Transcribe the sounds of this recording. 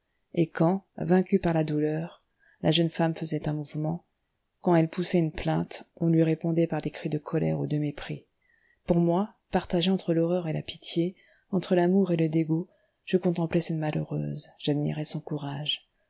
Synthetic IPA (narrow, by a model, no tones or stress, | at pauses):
ekɑ̃vɛ̃kʲypaʁlad̪ulœʁ | lʔa̰ʒənfamfəzɛt̪ɛ̃muvmɑ̃ | kɑ̃ɛlpusɛynplɛ̃t̪ɔ̃lɥiʁepɔ̃d̪ɛpaʁd̪ekχid̪əkʰɔlɛ̰ʁud̪əmepχḭ | puʁmwa | paʁt̪aʒeɑ̃t̪χəlɔʁœʁela̰pit̪je | ɑ̃t̪χəlamuʁeləd̪eɡu | ʒ̥əkɔ̃t̪ɑ̃plɛsɛt̪malø̰ʁø̰ːzʒ̥ad̪mḭʁɛsɔ̃kuʁaʒ